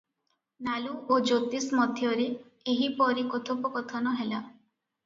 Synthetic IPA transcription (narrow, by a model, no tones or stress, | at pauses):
naluʔod͡ʒot̪ismɔd̪ʱjɔɾe | eɦipɔɾikot̪ʰopɔkɔt̪ʰɔnɔɦela